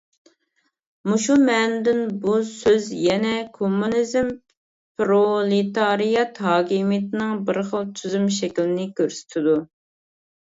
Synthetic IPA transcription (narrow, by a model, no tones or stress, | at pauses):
muʃumɛnd̪ɪnbusøzjɛnɛkʰomːunizm | pɾolˠit̪ɑɾijɑt̪hɑːkʲimijt̪ʰɪnɨŋbɪɾχəlˠt͡ʃ̪ʰyzymʃɛkʲlɪnɪkʲʰøɾsy̥t̪ʰɪd̪u